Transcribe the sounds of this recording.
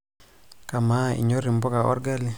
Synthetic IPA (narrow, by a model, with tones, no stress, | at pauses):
ka˨ma˦ḭ˨ɲo˦ɾi˨mbɔ˦ka˨ʔɔ̰˦ɾɡa˦li˦